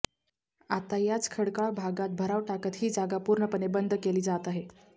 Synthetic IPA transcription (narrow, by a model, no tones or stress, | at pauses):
at̪ajat͡skʰəɽkaɭbʱaɡat̪̚bʱəɾaʋʈakət̪ɦiːd͡zaɡapuɾɳəpənebənd̪ʱəkeliːd͡zat̪aɦe